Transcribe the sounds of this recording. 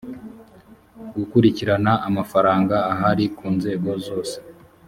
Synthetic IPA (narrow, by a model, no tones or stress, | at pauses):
ɡukuɾiciɾanaʔamafaɾaːŋɡaːɦaɾikuːnze̞ːɡo̞zo̞ːse